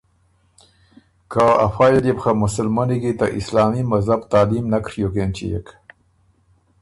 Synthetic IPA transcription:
kaa̰faːjed̪epxamʊsəlmaniɡit̪aʔislɑːmimazabt̪aːlimnakɾjokent͡ɕḭjḛk

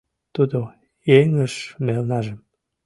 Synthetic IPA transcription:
t̪ud̪o | eŋəʃmelnɑʒəm

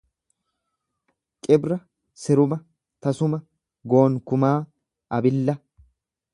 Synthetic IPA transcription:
kʼɪbɾɐ | sɪɾʊmɐ | t̪ɐsʊmɐ | ɡo̞ːŋkʊmaː | ɐbɪlːɐ

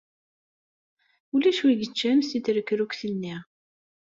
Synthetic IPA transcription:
ulæʃwiʝət͡ʃːæmsiθɾəkːɾukθənːiʁ

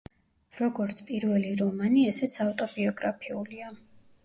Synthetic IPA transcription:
ɾɔɡɔɾt̪sʰpʼiɾvɛliɾɔmaniɛsɛt̪sʰaft̪ʼɔbiɔɡɾapʰiulia

